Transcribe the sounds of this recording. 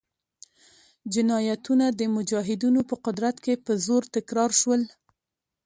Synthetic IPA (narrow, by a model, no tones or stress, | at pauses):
d͡ʒɪnɑjat̪unad̪əmʊd͡ʒɑɦɪd̪inopəqʊd̪ɾat̪kepəzoɾt̪ɪkɾɑɾʃwəl